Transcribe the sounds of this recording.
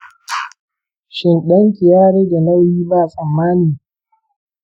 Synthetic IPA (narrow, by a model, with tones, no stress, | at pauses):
ʃɪ˦˨nɗɐ˦ŋkʲɪ˨jaː˦ɽeː˦da˨na˦jiː˦baː˦˨sʼɐ˨mːaː˦niː˨